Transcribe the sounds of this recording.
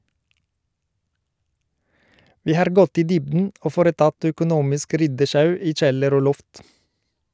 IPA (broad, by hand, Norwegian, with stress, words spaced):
ˈʋiː ˈhɑɾ ˈɡɔt ˈiː ˈdʏbdn̩ ˈoː ˈfoːɾəˌtɑt œkʊˈnuːmɪsk ˈɾʏdəˌʃɑʉ ˈiː ˈc͡çɛləɾ ˈoː ˈlɔft